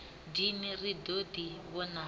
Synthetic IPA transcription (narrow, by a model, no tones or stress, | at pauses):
dimiridodiβɔna